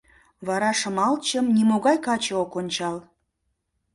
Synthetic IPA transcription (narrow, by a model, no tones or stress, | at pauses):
βɑɾɑʃə̆mɑlt͡ɕəmnimoɣɑjkɑt͡ɕeokonʲt͡ɕɑl